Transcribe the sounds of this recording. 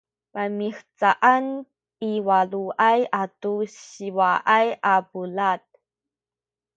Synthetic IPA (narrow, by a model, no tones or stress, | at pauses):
pamixt͡saʔan | iwaluʔajatuɕiwaʔajʔapulat̚